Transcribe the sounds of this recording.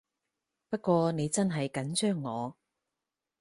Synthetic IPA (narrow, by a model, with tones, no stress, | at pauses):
pɐ˥t̚kʷɔː˧ne˨˧jt͡sɐ˥nɦɐ˨jkɐ˨˥nt͡ʃœː˥ŋːɔː˨˧